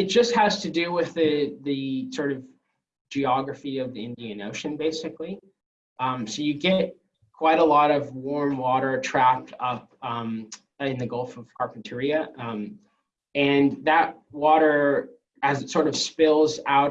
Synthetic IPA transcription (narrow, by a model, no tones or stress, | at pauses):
ɨt̚d̥ʒ̥ʌst̚hɨz̥tʰɨdɨwɪðɨðɨsɔɹɾʌv | d͡ʒiɑɡɹɨfiʌvðiɪ̃ndiɨ̃no̰ʊʃɨ̃nbeɪsɨklĩ | msoʊjɨɡɛt̚ | kʰw̥aɪɾəlɔɾʌvwɔɹmwɔɾə˞tʰɹ̥æp̚tʰʌp̚ʌ̃m | ɪ̃nðɨɡolˠfʌv̥kʰɑɹkn̩tʰɪɹiɨ | ɨ̃nðɨt̚ | wɔɾə˞ | ɨzɨtsɔɹɾʌv̥spɪlˠzaʊɾ